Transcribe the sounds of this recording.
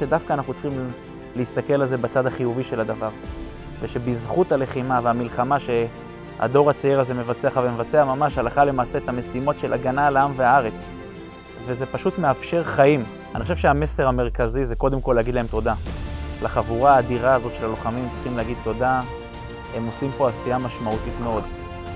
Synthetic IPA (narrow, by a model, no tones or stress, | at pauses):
ʃedafkaːnaχnut͡sχim | leist̪ake̞lalze̞bat͡sad̪aχijuviʃe̞lad̪avaʁ | veʃe̞bizχutale̞χimaveamilχamaʃe̞ | a̰d̪o̞ʁat͡seiʁazeme̞vat͡seaχavemevat͡seamamaʃhalaχale̞maːse̞ːt̪ame̞simo̞tʃe̞lʔaɡanaleamveaaʁe̞t͡s | vezepaʃutmeafʃe̞ʁχaim | anixoʃevʃeame̞se̞ʁame̞ʁkazizeko̞d̪e̞mko̞leaɡid̪lae̞mto̞d̪alaχavuʁaːd̪iʁaːzo̞tʃe̞laloχamimt͡si̥χimleaɡid̪̚t̪ːo̞da | hemo̞simpo̞asijamaʃmaut̪itmeo̞d̪